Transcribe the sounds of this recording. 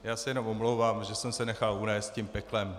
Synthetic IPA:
jaːsɛjɛno̞momlowvaːmʒɛsɛmsɛnɛxalunɛːst̪cimpɛklɛm

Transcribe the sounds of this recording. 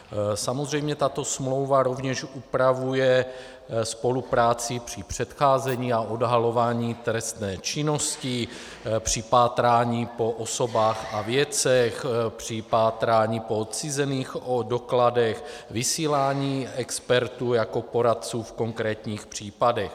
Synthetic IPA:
samozrɛjmɲɛt̪at̪o̞smlo̞wvaɾo̞vɲɛʃʔupɾavujɛ | spo̞lupɾaːt͡sɪpr̝̥ɪpr̝̥ɛt̪xaːzɛɲiːaʔodɦalo̞vaːɲiːt̪ɾɛst̪nɛːt͡ʃɪno̞scɪ | pr̝̥ɪpaːt̪ɾaːɲiːpo̞ʔoso̞baːxavjɛt͡sɛxpr̝̥ɪpaːt̪ɾaːɲiːpot͡sɪzɛniːxodokladɛxvɪsiːlaːɲiːɛkspɛɾt̪uːjako̞po̞ɾat̪̚t͡suːfko̞ŋkɾɛːt̪ɲiːxpr̝̥iːpadɛx

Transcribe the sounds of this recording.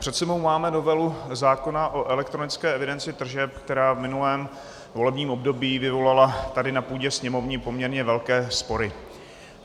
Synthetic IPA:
pr̥ɛt̪sɛbo̞wmaːmɛno̞vɛluzaːko̞naʔo̞ʔɛlɛk̚t̪ɾo̞nɪt͡skɛːɛvɪdɛnt͡sɪt̪r̩ʒɛp̚kt̪ɛɾaːvmɪnulɛːm | vo̞lɛbɲiːmʔo̞bdo̞biːvɪvo̞lalat̪adɪnapuːɟɛsɲɛmo̞vɲɪpo̞mɲɛɾɲɛvɛlkɛːspo̞ɾɪ

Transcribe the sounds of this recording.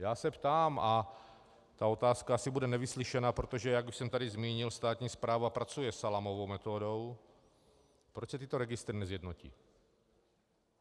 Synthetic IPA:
jaːsɛpt̪aːma | t̪aot̪aːskaasibudɛnɛvisliʃɛnapɾot̪oʒɛjaɡuʃsɛmt̪adizmiːɲilst̪aːt̪ɲiːspɾaːvapɾat͡sujɛsalamovowmɛt̪oːdow | pɾot͡ʃsɛt̪iːt̪oɾɛɡɪst̪ɾinɛzjɛd̪nocḭː

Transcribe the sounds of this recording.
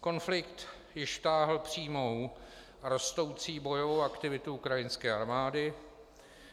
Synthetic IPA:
ko̞nflɪkt̪ | jɪʃt̪aːɦl̩pr̝̥iːmow | ɾost̪o̞wt͡siːbo̞jovo̞wʔakt̪ɪvɪt̪ʊukɾajɪnskɛːaɾmaːdɪ

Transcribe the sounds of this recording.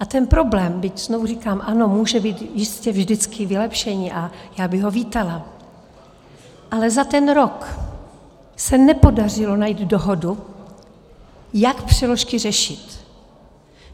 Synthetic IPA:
ʔat̪ɛnpɾo̞blɛːmbɪcz̥novurikaːmʔano̞muːʒɛbiːt̪jɪscɛvʒdɪt͡skʰɪvɪlɛpʃɛɲɪʔajaːbɪɣɦo̞viːt̪ala | ʔalɛzat̪ɛnɾok | sɛnɛpo̞dar̝ɪlo̞najiːd̪doɦo̞du | jakpr̝̥ɛlo̞ʃkɪrɛʃɪt̪

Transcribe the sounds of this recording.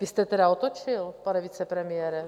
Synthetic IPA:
vɪst̪ɛt̪ɛɾaot̪ot͡ʃɪlpanɛvit͡sɛpɾɛmɪjɛɾɛ

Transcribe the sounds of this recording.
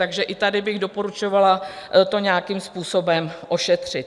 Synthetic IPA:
t̪aɡʒɛʔɪt̪adɪbɪɣdo̞po̞ɾut͡ʃo̞valat̪o̞ɲaːkiːmspuːso̞bɛmʔo̞ʃɛt̪r̝̥ɪt̪

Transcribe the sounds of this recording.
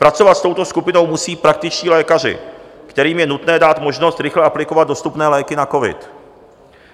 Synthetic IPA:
pɾat͡so̞vat̪st̪o̞wt̪o̞skupɪno̞wmusiːpɾak̚t̪ɪt͡ʃciːlɛːkar̝ɪ̰kt̪ɛɾiːmjɛnut̪nɛːdaːt̪mo̞ʒnost̪ɾɪxlɛʔaplɪkovad̪do̞st̪upnɛːlɛːkɪnako̞vɪ̰t̪

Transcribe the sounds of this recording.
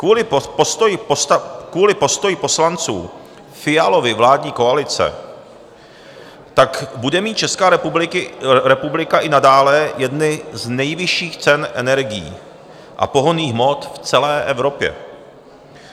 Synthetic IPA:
uːɪt̪j̪ | kuːlɪpo̞st̪ojɪpo̞slant͡sṵː | fɪjalo̞vɪvlaːdɲiːko̞alɪt͡sɛ̰ | t̪akbudɛmiːt̪̚t͡ʃɛskaːɪɾɛpublɪkaʔɪnadaːlɛjɛdnɪznɛjvɪʃiːxt͡sɛnʔɛ̰nɛɾɡɪjḭː | ʔa̰po̞ɦoniːxɦmo̞t̪ft͡sɛlɛːʔɛvɾo̞pjɛ̰

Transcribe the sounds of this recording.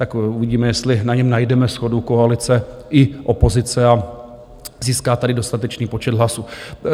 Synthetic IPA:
t̪akuvɪɟiːmɛjɛst̪lɪnaɲɛmnajdɛmɛsxo̞duko̞alɪt͡sɛ | ʔɪʔo̞po̞zɪt͡sɛa | ziːskaːt̪adɪdo̞st̪at̪ɛt͡ʃniːpo̞t͡ʃɛd̪ɦlasu

